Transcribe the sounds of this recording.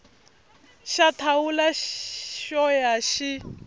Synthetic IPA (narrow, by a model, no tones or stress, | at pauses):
ʃatʰawulaʃɔjaʃi